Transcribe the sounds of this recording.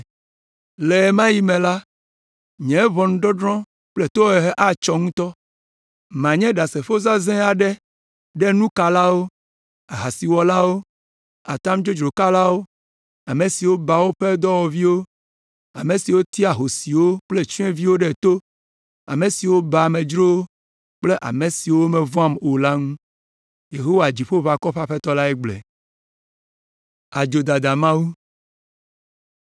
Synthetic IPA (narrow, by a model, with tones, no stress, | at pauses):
le˨mã˦ji˦mɛ̃˨la˦ | ɲɛ̃˨˦vɔ˨ñ̩˦ɖɔ˦ɖɾɔ̃˦ | k͡ple˦t̪o˦ɛ˨ɦɛ˦ʔa˦t͡ʃɔ˦ŋũ˦t̪ɔ˦ | mã˨ɲɛ̃˦ɖa˨se˨ɸo˦za˦zɛ̃˦a˨ɖɛ˦ | ɖɛ˦nũ˦ka˨la˦wo˦ | a˨ɦa˨si˨wɔ˨la˦wo˦ | a˨t̪a˦md͡ʒo˦d͡ʒɾo˨ka˦la˦wo˦ | a˨me˨si˨wo˦ba˨wo˦ɸe˦d̪ɔ˦wɔ˨vi˦wo˦ | a˨me˨si˨wo˦t̪i˦a˨ɦo˨si˨wo˦k͡ple˦t͡ʃu˦ɛ̃˦vi˦wo˦ɖe˦˨t̪o˦ | a̰˨me˨si˨wo˦ba˨mẽ˨d͡ʒɾo˦w | k͡ple˦ʔa̰˨me˨si˨wo˦me˨vɔ˦a˦mo˨la˦ŋũ˦ | je˨ɦo˦wa˨d͡ʑi˨ɸo˦va˨kɔ˦ɸa˦ɸe˦t̪ɔ˦la˦e˦ɡ͡blḛ˨ | a˨d͡ʒo˨d̪a˨d̪a˨mã˦wu˦